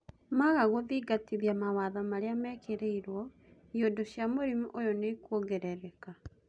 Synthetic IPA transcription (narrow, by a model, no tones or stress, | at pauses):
maɣaɣoðiɡatiðjamawaðɔmaɾeamɛkʰeɾeiɾwɔ | ijodoɕjamoɾimuʔojɔnekuoɡɛɾɛɾɛka